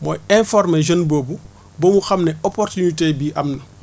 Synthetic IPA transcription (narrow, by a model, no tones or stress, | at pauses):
mɔːjɛnfɔrmɛʒɐnbobu | bɔmuxɐmnɛɔpɔrtunitebiːʔɐmnɐ